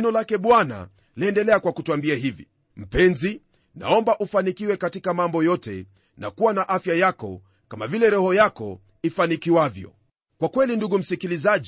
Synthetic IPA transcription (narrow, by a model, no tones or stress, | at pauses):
nɔlakɛɓwana̰ | liɛndɛlɛakwakutuambiaɦivḭ | m̩pɛnzi | na̰ɔmbaʔufanikiwɛkatikamambɔjɔtɛ̰ | na̰kuwanaʔafjajakɔ̰ | kamavilɛɾɔhɔjakɔ̰ | ifanikiwavjɔ̰ | kwakwɛlinduɡum̩sikilizaʄ